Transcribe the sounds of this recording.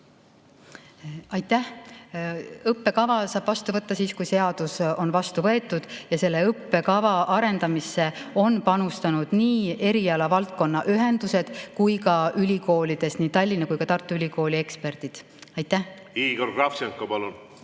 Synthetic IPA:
ɑjt̪ːˑæh | ɤpːe̞kɑvɑsɑːb̥vɑst̪uvɤt̪ːɑsiːskujse̞ɑd̪̥uso̞nvɑst̪uvɤ̞e̞t̪ːˑud̪̥jɑse̞lːe̞ɤpːe̞kɑvɑʔɑɾe̞nd̪ɑmisːe̞o̞npɑnust̪ɑnud̪̥niːe̞ɾiɑlɑvɑlt̪̚ko̞nːɑʔyɦe̞nd̪̥use̞d̪̥kujkɑylʲiko̞ːlid̪̥e̞sniːt̪ɑlʲːinɑkujkɑt̪ɑrt̪ːˑuylʲiko̞ːlʲie̞kspe̞rd̪̥id̪̥ | ɑjt̪ːˑæh | iːɡorɡrɑfsiɑŋkːɑpɑlun

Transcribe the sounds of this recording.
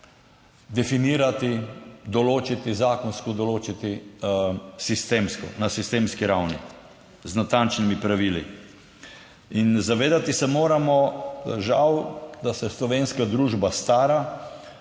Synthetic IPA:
d̪ɛfiniːɾat̪id̪ɔloːt͡ʃit̪izaːkɔnskɔd̪ɔloːt͡ʃit̪i | sist̪eːmskɔ̰nasist̪eːmskiɾawnḭ | znat̪ant͡ʃnimipɾaʋiːlḭ | inzaʋeːd̪at̪isɛmoːɾamɔʒawd̪asɛslɔʋeːnskad̪ɾuːʒbast̪aːɾa

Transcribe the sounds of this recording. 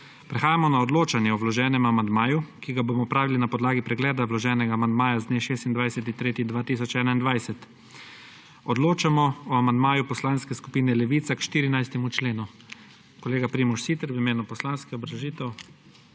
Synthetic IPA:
pɾɛxaːjamɔnaɔd̪loːt͡ʃanjɛɔwlɔʒɛːnɛmamand̪maːjukiɡaboːmɔpɾaːʋilinapɔd̪laːɡipɾɛɡlɛːd̪awlɔʒɛːnɛɡaːmand̪maːjazd̪neːʃeːst̪ind̪ʋajsɛt̪int̪ɾeːt̪id̪ʋaːt̪iːs̬ɔt͡ʃɛːnaind̪ʋajsɛt̪ | ɔd̪loːt͡ʃamɔɔamand̪maːjupɔslaːnskɛskupiːnɛlɛʋiːt̪sakʃt̪iːɾinajst̪ɛmut͡ʃleːnu | kɔleːɡapɾiːmɔʃsiːt̪ɛɾwimeːnupɔslaːnskɛɔbɾaʒiːt̪ɛw

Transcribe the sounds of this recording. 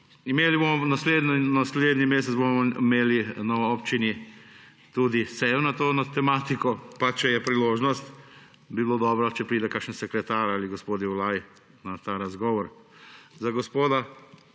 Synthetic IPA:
imeːlibomɔnasled̪ninasleːd̪nimeːs̬ɛt̪zbomɔimeːlinɔʋɔopt͡ʃini | t̪uːd̪isɛjɔnat̪onat̪ɛmaːt̪ikɔpat͡ʃɛjɛpɾiloːʒnɔst̪ | bibilod̪ɔbɾɔt͡ʃɛpɾiːd̪ɛkakʃnsɛkɾɛt̪aːɾaliɡospoːd̪jiulaːji | nat̪aɾazɡɔʋɔɾzaɡospoːd̪a

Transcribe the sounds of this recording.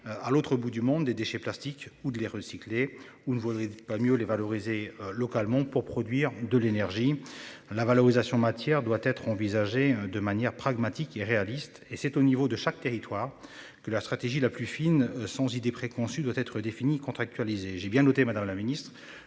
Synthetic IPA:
alot̪χəbud̪ymɔ̃d̪ːed̪eʃɛplast̪ikud̪əleʁəsi̥kle | unəvud̪ʁepamjølevalɔʁizeølɔkalmɑ̃puʁpχɔd̪ɥiʁd̪əlenɛʁʒilavalɔʁizasjɔ̃mat̪jɛʁd̪wat̪ɛt̪χɑ̃vizaʒed̪əmanjɛʁpχaɡmat̪ikeʁealist̪esɛt̪onivod̪əʃak̚t̪eʁit̪waːʁ | kəlast̪χat̪eʒilaplyfinsɑ̃zid̪epχekɔ̃syd̪wat̪ɛt̪χəd̪efinikɔ̃t̪χak̚t̪ɥalizeʒɛbjɛ̃nɔt̪emad̪amlaminist̪χ

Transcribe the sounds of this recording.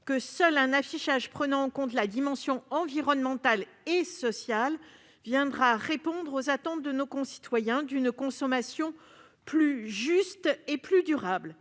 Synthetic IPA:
kəsœlɛ̃nafiʃaʒpχənɑ̃ːkɔ̃t̪lad̪imɑ̃sjɔ̃ɑ̃viʁɔnmɑ̃t̪al | esɔsjal | vjɛ̃d̪ʁaʁepɔ̃d̪ʁozat̪ɑ̃t̪̚d̪ənokɔ̃si̥t̪wajɛ̃d̪ynkɔ̃sɔmasjɔ̃ | plyʒyst̪eplyd̪yʁabl

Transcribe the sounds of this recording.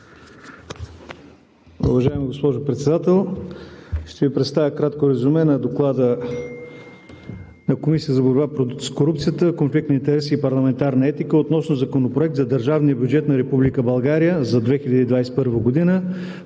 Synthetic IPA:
ṵvɐʒaɛmiɡospɔʒʊpɾɛt̪sɛd̪at̪ɛlˠ | ʃt̪ɛvipɾɛt̪st̪avʲjəkɾat̪koɾɐzumɛnɐd̪oklˠad̪ə | nɐkomisʲiət̪əzɐboɾbapskoɾup̚t̪sijət̪əkonflik̚t̪nint̪ɛɾɛsːpɐɾlˠɐmɛnt̪aɾnəɛt̪ikəot̪nɔsnozɐkonopɾoɛk̚t̪zɐd̪əɾʒavnijəbjud͡ʒɛt̪nɐɾɛpublikəbɐlˠɡaɾijəzɐd̪vɛxilʲəd̪iːd̪vajsɛ̥pɤɾvəɡod̪inə

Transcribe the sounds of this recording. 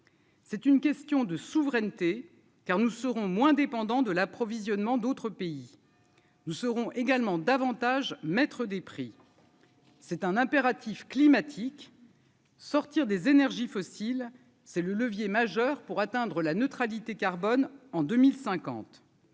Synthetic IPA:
sɛt̪ynkʲɛst̪jɔ̃d̪əsuvʁɛnt̪e | kaʁnusəʁɔ̃mwɛ̃d̪epɑ̃d̪ɑ̃d̪əlapχɔvizjɔnmɑ̃d̪ot̪χəpei | nusəʁɔ̃ʔeɡalmɑ̃d̪avɑ̃t̪aʒmɛt̪χəd̪epχi | sɛt̪ɛ̃nɛ̃peʁat̪ʰifklimat̪ʰik | sɔʁt̪iʁd̪ezenɛʁʒifɔsil | sɛlələvjemaʒœʁpuʁat̪ɛ̃d̪ʁəlanøt̪χalit̪ekaʁbɔnɑ̃d̪ømilsɛ̃kɑ̰̃t̪

